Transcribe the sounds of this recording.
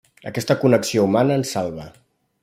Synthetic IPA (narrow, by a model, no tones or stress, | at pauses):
ə̰kɛst̪əkunəksioumanəːnsalˠβə